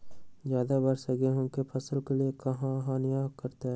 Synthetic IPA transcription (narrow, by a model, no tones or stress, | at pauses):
d͡ʒjaːd̪abɐɾsɐɡeɦʊ̃kepʰɐsəlkeliekɐɦãɦãnɪjaːkɐɾt̪eɦɛ